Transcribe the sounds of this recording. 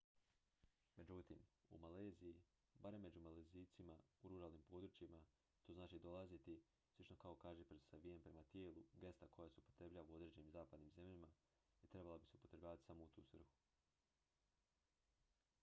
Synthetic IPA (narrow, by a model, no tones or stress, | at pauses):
me̞d͡ʑut̪imṵmaleːziji | baɾe̞mːe̞d͡ʑumaleziːt̪simauɾuɾaːlˠnimpo̞ːd̪ɾut͡ʃima | t̪o̞ːznaːt͡ʃid̪olˠazit̪i | slˠit͡ʃno̞kaokaːʒepɾesaʋijempɾe̞mat̪je̞ːlˠuɡe̞st̪akʰo̞jaseupo̞t̪ɾebʎaʋuo̞d̪ɾe̞ːd͡ʑe̞nimzaːpad̪niːmze̞mʎama | it̪ɾe̞balabiseupot̪ɾebʲʎaːʋat̪i̥samo̞ut̪ṵːsr̩xu̥